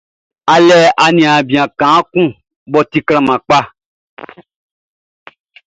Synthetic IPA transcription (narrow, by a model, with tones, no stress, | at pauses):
a˨lɛ˦a˨nĩ˨ã˨bĩ˨ã˨kã˨˦kũ˦ | bɔ˨t̪i˨klã˨mã˨k͡pa˦